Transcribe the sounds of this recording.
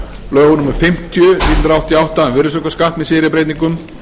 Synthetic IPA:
lœːɣnumɪɾfɪm̥t̪ʰjʏsit̪nt̪ɾawht̪ʰjawht̪aɛnvɪɾɪsɔkaskaht̪mɛðsɪːɾɪpɾejt̪niŋkʏm

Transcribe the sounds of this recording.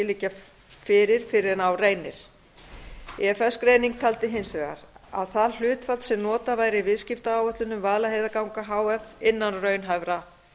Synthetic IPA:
ɪliːca | fɪɾɪɾ̥fɪɾɪɾnawreːjnɪɾ̥ | ɛfɛskɾejniŋk̚t̪ʰalt̪ɪɦɪnsvɛːɣa̰ɾa̰ðθaðl̥ʏːt̪fat̪sɛmnɔːt̪avaːjɾɪivɪðscɪft̪aaːwœt̪lʏnʏmvaðlaɦejðakawŋkaɦaːwɛfɪnːanrœɥnɦajvɾa

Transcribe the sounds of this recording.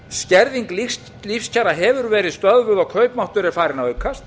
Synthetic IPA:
scɛɾðiŋkli | lifscʰaːɾaɦɛvʏɾvɛːɾɪðst̪œðvʏðɔɣkʰœɥpmawht̪ʏɾɛɾfaːɾɪnavœɥkʰːast̪

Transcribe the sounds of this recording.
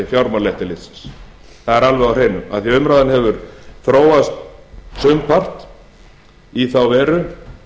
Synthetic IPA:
ɪfjawɾmalɛht̪ɪlɪt̪sɪ̥ns | θaðɛɾalvɛɣawr̥eːjnːʏma̰ðθɛʏmɾaðanhɛvʏɾθɾoːwast̪sʏmpʰar̥t̪ | iθawvɛːɾʏ

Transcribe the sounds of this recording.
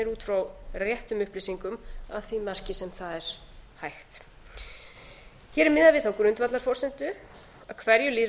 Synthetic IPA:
ɛɾuːt̪fɾawrjɛht̪ʏmʏhplisiŋkʏmaðθimar̥cɪsɛmθaðɛɾ̥ | hajxt̪ | çɛːɾɪmɪðavɪðθawkʏɾʏnt̪vat̪laɾ̥fɔrsɛnt̪ʏ | aðkʰvɛɾjʏli

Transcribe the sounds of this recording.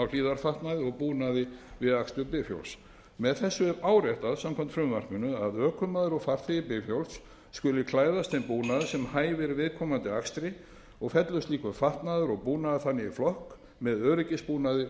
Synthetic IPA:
awl̥iːðaɾ̥faht̪naðɪɔɣpuːnaðɪvɪðakst̪ʏpɪfjo̰wls | mɛðθɛsːʏɾaːwɾɛht̪aðsamkʰɔm̥t̪fɾʏmːar̥kʏnʏaðœːkʰʏmaðʏɾɔɣfar̥t̪liɣɪpɪfjowlsː | kʏlɪkʰlaːjðast̪θɛnpuːnaðʏsɛmhaːjvɪɾvɪðkʰɔːmant̪ɪakst̪ɾɪ | ɔɣfɛt̪lœst̪liːkʏfaht̪naðʏɾɔɣpuːnaðɪθanːɪiflɔhk | mɛðœːɾɪcɪspuːnaðɪ

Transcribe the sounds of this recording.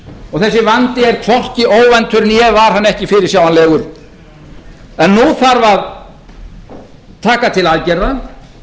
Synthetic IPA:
ɔɣθɛsːɪvant̪ɪɛɾ̥t̪ʰvɔr̥cɪoːwvɛnt̪ʰʏɾnjɛvaɾ̥ɦanːɛhcɪfɪɾɪɾsjaːwanlɛːɣʏɾ̥ | ɛnːuθaɾvað | t̪ʰaːkat̪ʰɪlaðcɛɾða

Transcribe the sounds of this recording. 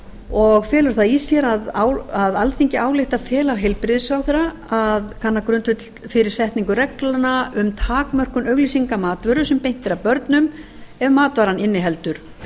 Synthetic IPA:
ɔɣfɛːlʏɾ̥θaisjɛɾaðawaðalθiɲcɪʔaːwlɪht̪aðfɛːlaɾɦejlpɾɪðsawθɛɾa | aðkʰanːakɾʏnt̪fʏt̪l̥fɪɾɪɾ̥sɛht̪niŋkʏrɛklanaʏmt̪ʰaːkmœr̥kʏnœɥɣlisiŋkamaːt̪vʏɾʏsɛmpejn̥t̪ɪɾawpœɾt̪nʏmɛvmaːt̪vaɾanɪnːɪɦɛlt̪ʏɾ̥

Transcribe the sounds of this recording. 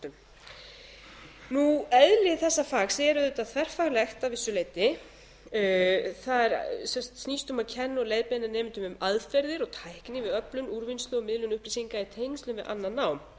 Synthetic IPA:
nuɛðlɪθɛsːafaːɣsɛːɾʏðʏt̪aðθʰvɛr̥faɣlɛxt̪avɪsːʏleːjt̪ɪ | θaðɛɾsɛmst̪sniːst̪ʏmaðcʰɛnːɔlejðpenanɛːmɪnt̪ʏmʏmaðfɛɾðɪɾɔt̪ʰajhknɪvɪðœplʏnuɾvinst̪lʏɔmɪðlʏnʏhplisiŋkait̪ʰejnst̪lʏmvɪðʔa̰nːanːaːwm

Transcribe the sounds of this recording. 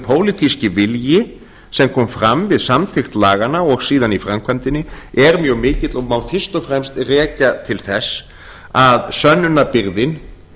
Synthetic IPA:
pʰoːwlɪt̪ʰiscɪvɪljɪ | sɛmkʰɔːmfɾamvɪðsamθɪxt̪laːɣanaɔɣsiːðanifɾamkʰamt̪ɪnːɪɛɾmjœːɣmɪːcɪt̪lɔmawfɪr̥st̪ɔfɾɛmst̪rɛːcat̪ʰɪlθɛsː | aðsœnːʏnapɪɾðɪn

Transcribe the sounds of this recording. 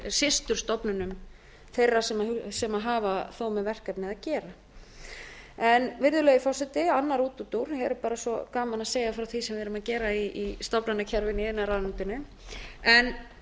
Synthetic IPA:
sɪst̪ʏɾ̥st̪ɔpnʏnʏm | θejrːḁsɛmaɦsɛmaɦaːvaθowmɛðvɛr̥kapnɪðacɛːɾa | ɛnvɪɾðʏlɛːɣifɔr̥sɛt̪ɪanːaɾuːt̪ut̪uɾ̥hɛɾʏɾpaːɾasɔkaːmanaseːjafɾawθisɛmvɪɾʏmaðcɛːɾaiist̪ɔpnanːacʰɛɾvɪniɛnːaɾaðnɪnt̪ʏnʏ | ɛn

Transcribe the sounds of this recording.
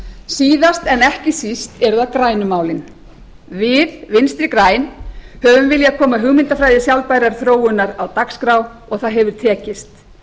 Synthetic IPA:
siːðast̪ɛnɛhcɪsist̪ɛɾʏðaðkɾaːjnʏmaːwlɪn | vɪðvɪnst̪ɾɪkɾaːjnhœvʏmvɪljakʰɔːmaɦʏɣmɪnt̪afɾajðɪsjawlpajɾaɾ̥θɾoːwʏnːaɾawt̪akskɾaw | ɔɣθaðɦɛvʏɾ̥t̪ʰɛːcɪst̪

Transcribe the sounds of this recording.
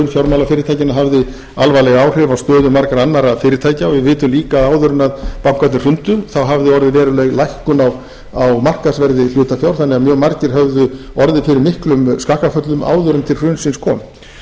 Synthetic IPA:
nfjawɾmawlafɪːɾɪɾt̪ʰaːjcɪnaɦavðɪ | alvajlɛɣaːwr̥ɛvawst̪œːðʏmaɾkaɾanːaɾaðfɪːɾɪɾt̪ʰaːjcaɔvɪvɪːt̪ʏmliːkaːðaːwðʏɾʏnaðpawŋ̥kat̪ɪ̥r̥ʏnt̪ʏθawɦavðɪɔɾðɪvɛːɾʏlɛɣlajhkʏnaw | awmar̥kaðsvɛɾðɪl̥ʏːt̪afjawɾ̥θanːɛɣamjœːɣmaɾcɪɾ̥ɦœvðʏ | ɔɾðɪfɪɾɪɾmɪhklʏmskaːhkafœt̪lʏma̰ːwðʏɾʏnt̪ʰɪlr̥ʏnsɪnskʰɔːmɪt̪

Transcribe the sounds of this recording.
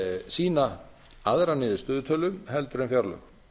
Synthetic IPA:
siːna | aðɾanɪːðɪst̪ʏːðʏt̪ʰœlʏmhɛlt̪ʏɾɛnfjaɾlœ̰ɣ

